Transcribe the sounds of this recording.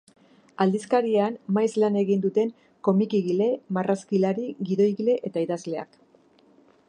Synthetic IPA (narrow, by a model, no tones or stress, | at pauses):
ald̪iskaɾieanmajslane̞ɣind̪ut̪e̞ŋ | ko̞mikiɣile̞maraskilaɾiɣiðo̞iɣile̞ʔe̞t̪aiðazle̞a̰k